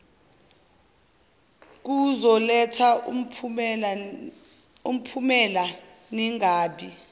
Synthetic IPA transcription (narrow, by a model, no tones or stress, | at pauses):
k̬uzɔlɛtʰa | um̩pʰumɛla | niŋaːɓi